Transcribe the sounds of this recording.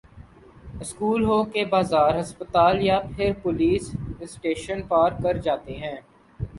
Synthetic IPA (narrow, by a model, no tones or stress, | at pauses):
ɪskuːlɦoːkebaːzaːɾɦɐspət̪aːljapʰɪɾpʊliːsɪsʈeːʃənpaːɾkɐɾd͡ʒaːt̪eɦɛ̃ː